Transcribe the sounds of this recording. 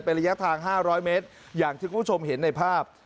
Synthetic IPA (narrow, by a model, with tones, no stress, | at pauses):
pe˧nɾa˧ja˦˥t̪ʰaː˧ŋɦaː˥˩ɾɔː˦˥jmeː˦˥t̪̚ | jaː˨˩ŋk̪ʰiː˥˩kʰaː˥˩˥t͡ɕʰo˧mɦe˩˦nːa˧jpʰaː˥˩p̚